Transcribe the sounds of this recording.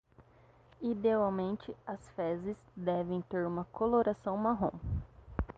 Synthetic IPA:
id̪eawmẽnt͡ʃɪɐsfɛzɪzd̪ɛvẽj̃t̪eɾũmɐkoloɾasɐ̃w̃maɦõ

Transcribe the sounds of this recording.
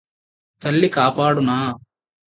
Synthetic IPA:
t̪ɐlːikaːpaːɽunaː

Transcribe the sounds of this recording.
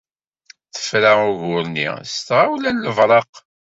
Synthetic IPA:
θə̥fɾaʊʝʊɾnḭst̪ʁawlænːəvɾˤɑq

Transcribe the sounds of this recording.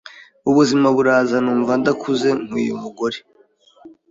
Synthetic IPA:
uβuzimaβuɾaːzanuːɱvandakʰuze̞ŋ̥ṵjo̰muɡo̞ɾe

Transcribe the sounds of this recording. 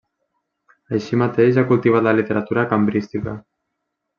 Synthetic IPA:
əjʃimat̪eʃakulˠt̪iβ̞at̪ləlit̪eɾat̪uɾakambɾist̪ikə̰

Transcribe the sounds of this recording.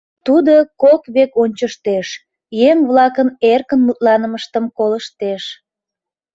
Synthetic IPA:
t̪ud̪okokβekonʲt͡ɕəʃt̪eʃ | jemβlɑkənerkənmut̪̚lɑnəməʃt̪əmkoləʃt̪eʃ

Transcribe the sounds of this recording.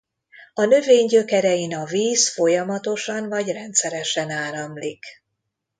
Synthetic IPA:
ɒnø̞veːɲɟø̞kɛɾɛjinɒviːsfo̞jɒmɒt̪o̞ʃɒnvɒɟrɛnt̪sɛɾɛʃɛnaːɾɒmlik

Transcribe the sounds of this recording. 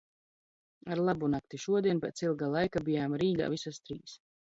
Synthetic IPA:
aɾlˠabunak̚t̪iʃuɔd̪iɛnpʲɛt̪silˠɡalˠajkabijaːmɾiːɡa̰ːvisast̪ɾiːs

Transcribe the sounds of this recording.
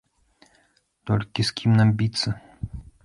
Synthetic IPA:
t̪ɔlʲkʲiskʲʰimnambʲit̪sːɐ

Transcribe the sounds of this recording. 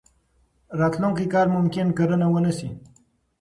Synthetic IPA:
ɾɑt̪luŋkikɑːɾmʊmkɪnkəɾənawənəsi

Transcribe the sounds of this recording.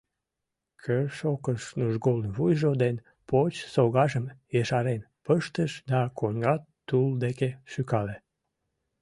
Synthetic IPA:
kʰerʃokəʃnuʒɣolnβujʒod̪en | pot͡ɕsoɣɑʒəmjeʃɑɾen | pəʃt̪əʃd̪ɑkʰonʲɡɑt̪t̪ːuld̪ekeʃykɑle

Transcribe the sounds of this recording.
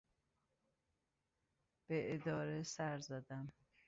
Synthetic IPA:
b̥eʔed̪ɒːɾesæɾzæd̪æm

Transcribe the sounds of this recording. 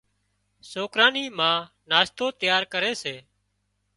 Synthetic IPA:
soːkɾãːniːmãː | naːst̪oːt̪jaːɾkəɾeːseː

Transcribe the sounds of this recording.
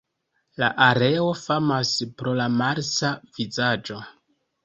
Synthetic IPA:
laʔaɾe̞o̞famaspɾo̞lamaɾsavizad͡ʒo̞

